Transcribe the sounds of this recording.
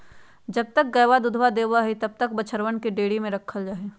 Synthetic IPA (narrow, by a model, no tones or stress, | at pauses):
d͡ʒɐb̚t̪ək̚ɡɐjʋad̪ʊd̪ʱʋad̪eːwaɦit̪ɐb̚t̪ɐk̚bɐt͡ʃʰəɾwənkeɖeːɽimẽɾɐkʰːəld͡ʒaːɦeː